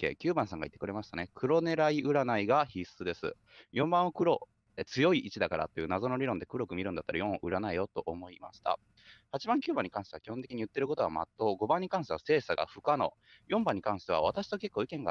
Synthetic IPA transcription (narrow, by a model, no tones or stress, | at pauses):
ḛkʲɨːbãsãŋɡait̪ːekɯ̟ɾe̞maɕi̥t̪ane̞kʰɯ̟ɾo̞ne̞ɾaiʔɯ̟ɾanaiɡaçisɨd̪e̞sɨ̰ | jõ̞mbãɰ̃okɯ̟ɾo̞ | et͡sɨjo̞iʔit͡ɕid̪akaɾa̰t̪ːe̞jiɯ̟ːnazo̞no̞ɾʲiɾond̪e̞kɯ̟ɾo̞kɯ̟mʲiɾɯ̟nd̪at̪ːaɾajõ̞oʔɯ̟ɾanaijo̞t̪o̞ʔomo̞ima̰ɕi̥t̪a̰ | hat͡ɕibãŋkʲɨːbãɲ̟ːikãɰ̃ɕi̥e̞ḁkʲihont̪ekʲiɲ̟iɯ̟t̪ːe̞ɾɯko̞t̪o̞ɡa̰ma̰t̪ːo̞ɡo̞bãɲ̟ːikãɰ̃ɕt̪ease̞ːsaɡa̰ɸɯ̟̥kano̞ | jõ̞mbãɲ̟ːikãɰ̃ɕi̥t̪e̞a̰β̞at̪aɕi̥t̪o̞ke̞kːo̞ːikẽ̞ŋɡa